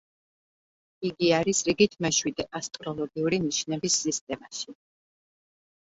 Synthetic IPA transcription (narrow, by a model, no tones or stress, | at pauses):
iɡiaɾisɾiɡit̪ʰmɛʃwid̪ɛʔast̪ʼɾɔlˠɔɡiuɾiniʃnɛbisːist̪ʼɛmaʃi